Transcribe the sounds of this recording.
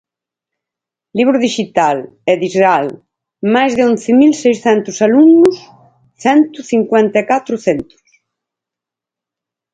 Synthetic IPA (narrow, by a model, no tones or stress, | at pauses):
liβɾʊðiʃit̪al | ɛðizɣal | majzðɪõnθɪmilsejsθɛnt̪ʊsaluŋnʊs | θɛnt̪ʊθiŋkwɛ̃nt̪aekat̪ɾʊθɛnt̪u̥s